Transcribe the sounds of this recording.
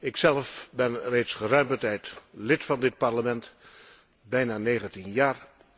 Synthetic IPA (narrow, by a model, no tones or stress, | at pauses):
ɪksɛlfbɛnrejtsχərœɥmbətɛjtlɪtfɑndɪt̚pɑɹləmɛnt | bɛjnaːnejχəntinjaːɹ